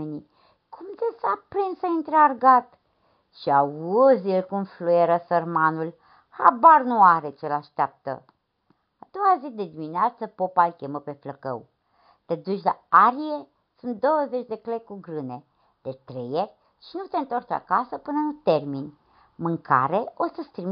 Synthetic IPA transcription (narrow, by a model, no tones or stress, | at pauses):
eni | kʰumt̪esapɾinsəint̪ɾearɡat̪ | ʃiauzelkumflueɾəsərmanul | ha̰barnuaɾet͡ʃelaʃt̪eap̚t̪ə̰ | ad̪̥o̞wazid̪e̞d̪imineat̪səpo̞palkʲeməpe̞fləkə̰w | t̪e̞d̪ut͡ʃʲla̰aɾije̞ | sunt̪̚d̪o̞wəze̞t͡ʃd̪e̞klekuɡɾɨne̞ | d̪̥et̪ɾejerʲ | ʃinut̪e̞ɨnt̪ort͡ʃa̰kasəpɨnəut̪e̞rminʲ | mɨŋkʰa̰ɾeo̞səst̪ɾim